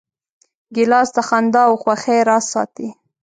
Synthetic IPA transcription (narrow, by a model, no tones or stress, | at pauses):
ɡɪlɑst̪axand̪ɑwxwaxeɾɑsɑ̰t̪i